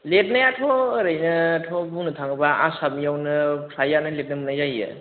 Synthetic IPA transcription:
let̚najatʰɔːɾɯjnɯtʰɔbunɯtʰaŋɯbaʔasap̚mijawnɯpʰlajanɯlet̚nɯmɯnajzajɯ̰

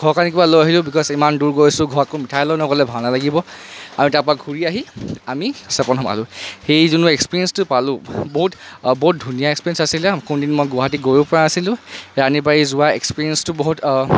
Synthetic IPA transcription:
ɡʱɔɹkanik̬ibalojaɦilʊ̃bikɔzimanduɹɡojsʊɡʱɔɹakomitʰajlɔjnɔkɔlɛbʱawnalaɡibɔamitaɹpɔɹaɡʱuɹiaɦiamisɛpɔnɦɔma̰lʊ̃xejzunuekspiɹiɛnstʊpalʊ̃boɦutboɦut̚dʱunijaekspiɛnsasilɛkundinmɔjɡʊɦat̬iɡojupɔɹaasilʊ̃ɹanibaɹizʊwaekspiɹiɛnstʊboɦut

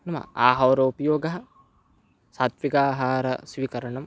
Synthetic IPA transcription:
nɐmɐ̰aːɦɐwɾɐupjoːɡɐɦɐ | sat̪ʋiɡaːɦaːɾɐ̰sʋikɐɾɐɳɐm

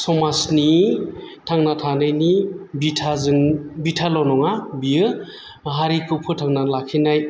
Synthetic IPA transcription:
sɔmasni | tʰaŋnatʰanajnibitʰazɯŋbitʰalɔnɔŋabijɯ | ɦaɾikʰɯpʰɯtʰaŋnalakʰinaj

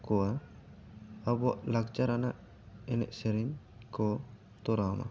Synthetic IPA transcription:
kɔwa | abuaʔlaɡd͡ʒaɾanaʔ | ɛnɛ̰ʔsɛɾiɲ | kɔ | t̪ɔɾama̰

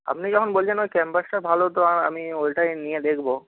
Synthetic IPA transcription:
a̰pnid͡ʑɔkʰonbolt͡ɕʰenojkɛmpasʈabʱalot̪oana̰miolʈajnijed̪ekʰbo

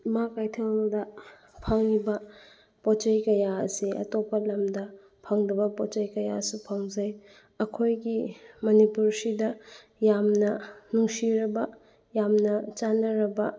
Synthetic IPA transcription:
makajtʰeŋdɐ | pʰaŋlibɐ | pɔt͡ʃajkɐjaɐ̰siɐ̰topːɐlɐmdɐ | pʰaŋdɐbɐpɔt͡ʃajkɐjasupʰaŋzaj | ɐkʰojɡimɐnipuɾsidɐ | jamnɐnuŋsiɾɐbɐ | jamnɐt͡ʃanːɐɾɐbɐ

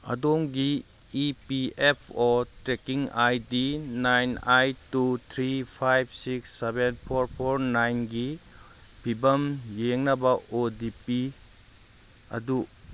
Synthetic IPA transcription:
ɐ̰doŋɡiː | piepʰɔtɾekiŋajdinajnajtut̪ʰɾipʰajb̚ʰsiksːebenpʰoɾpʰoɾnajnɡi | bʱibɐmjeŋnɐbɐodipi | ɐ̰du

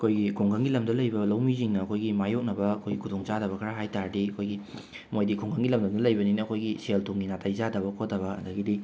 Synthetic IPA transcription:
ɐkʰojɡikʰuŋɡʰaŋɡilɐmdɐlɐjbɐlɐwmiziŋnɐːkʰojɡimajok̚nɐbɐɐkʰojɡikʰudoŋt͡ʃadɐβɐkʰɐɾaɦajtaɾdiɐkʰojɡi | mojdikʰuŋɡʰaŋɡilɐmdɐmdɐlɐjbɐninɐɐkʰojɡiseltʰuŋɡinatʰajzadɐβɐkʰot̚dɐβɐɐ̰ndɐɡidi

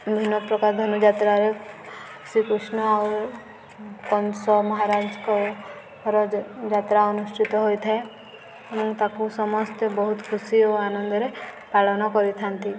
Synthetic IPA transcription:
bʱinɔpɾɔkaɾd̪ʱɔnɔd͡ʒat̪ɾaɾe | sikusnɔaɾ | kɔnsɔmɔɦaɾad͡ʒkɔ | ɦɔɾɔd͡ʒat̪ɾaɔnusʈʰit̪ɔɦojt̪ʰɛ | emɔ̃ŋkt̪akusɔmɔst̪ebɔɦut̪kʰusijɔanɔnd̪ɔɾepaɭɔnɔkɔɾit̪ʰant̪i

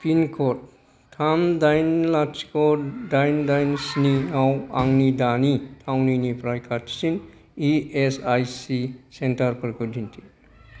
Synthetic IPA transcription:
pinkʰɔt̚ | tʰamdajnlat͡ʃi̥kɔdajndajnsninawaŋnidanitʰawninipɾajkʰatsin | iesajsisentaɾpɐɾkudʱintʰi̥

